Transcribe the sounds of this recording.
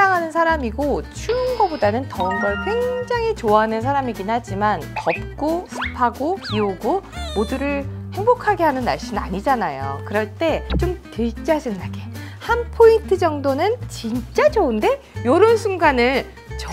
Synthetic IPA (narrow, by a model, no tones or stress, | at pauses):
aŋɦanɯnsʰaɾamiɡot͡ɕʰuːnɡʌbodanɯntʌɯnɡʌɭkweŋd͡ʑaŋit͡ɕoaɦanɯns̬ʰaɾamiɡinhad͡ʑimankʌp̚k͈osʰɯ̥pʰaɡoiuɡomoduɾɯɭhe̞ŋbokʰaɡe̞ɦanɯnːa̰ɭɕ͈inɯaɲid͡ʑanajo̰kɯɾʌɭt͈e̞t͡ɕomtet͡ɕ͈ad͡ʑɯnːaɡehanpʰointʰɯd͡ʑʌŋdonɯnt͡ɕint͡ɕ͈ad͡ʑounde̞ | joɾʌnsʰuŋɡanɯɭ | t͡ɕ